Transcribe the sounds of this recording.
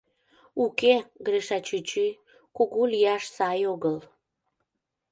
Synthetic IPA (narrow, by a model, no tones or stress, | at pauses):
ukeɡɾeʃɑt͡ɕyt͡ɕi | kuɣuliɑʃsɑjoɣəl